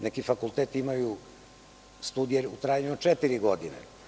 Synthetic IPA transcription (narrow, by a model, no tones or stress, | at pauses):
nekifakulˠt̪eːt̪iimaju | st̪uːd̪ijeɾut̪ɾaːjaɲeot͡ʂet̪iɾiɡod̪inḛ